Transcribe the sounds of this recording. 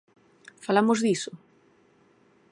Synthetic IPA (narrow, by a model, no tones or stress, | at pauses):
falamozðisʊ